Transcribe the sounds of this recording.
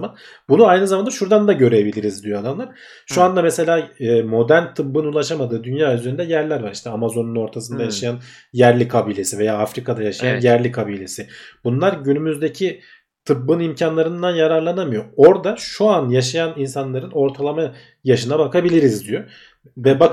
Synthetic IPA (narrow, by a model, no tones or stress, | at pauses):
man | bunuajnɯzamand̪aʃuɾd̪and̪aɟø̞ɾejebilʲiɾizd̪ijo̞ad̪amlˠaɾ̥ | ʃuand̪amese̞lʲaːmo̞d̪ænt̪ʰɯb̚ːɯnulˠaʃamad̪ɯːd̪ynjaːyzeɾyind̪ɛjæɾlʲæɾvaɾi̥ʃt̪ʰɛamazo̞nuno̞ɾt̪ʰasɯnd̪ajaʃajanjæɾlʲikʰabilʲe̞sive̞jaːafɾikʰad̪ajaʃajanjæɾlʲikʰabilʲe̞sɪb̥unlˠaɾɟynymyzd̪e̞cʰi | t̪ʰɯbːɯnimcʰanlˠaɾɯnd̪anjaɾaɾlˠanamɯjo̞o̞ɾd̪aʃuanjaʃajaninsanlˠaɾɯno̞ɾt̪ʰalˠama | jaʃɯnabakʰabilʲiɾizd̪yjo | vɛba